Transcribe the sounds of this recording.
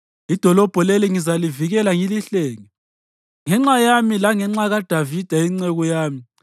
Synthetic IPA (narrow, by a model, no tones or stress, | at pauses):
id̥ʱɔlɔb̥ʱɔleliŋizaliviɣɛlaŋiliɬeːŋɛ | ŋɛŋ͡ǁajamilaŋɛŋ͡ǁaɣad̥ʱavid̥ʱaiŋ͡ǀeɣɔjaːmi